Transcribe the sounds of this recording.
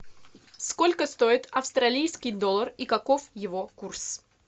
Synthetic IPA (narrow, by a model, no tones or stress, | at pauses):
skolʲkəst̪o̞ɪt̪ɐfst̪ɾɐlʲijskʲɪjd̪olˠːərikɐkofjɪvokurs